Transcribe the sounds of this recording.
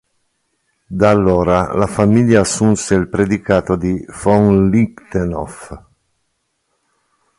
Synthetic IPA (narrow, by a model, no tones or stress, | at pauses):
d̪alːoːɾalafamiljaːsːunseilpɾed̪ikaːt̪od̪ifɔŋlikt̪enɔ̰f